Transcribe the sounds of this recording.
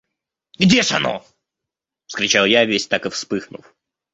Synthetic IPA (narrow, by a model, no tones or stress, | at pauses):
ɡdʲeʂɐ̰no̰ | fskɾʲɪt͡ɕalˠjavʲesʲt̪akɨfspɨxnʊ̰f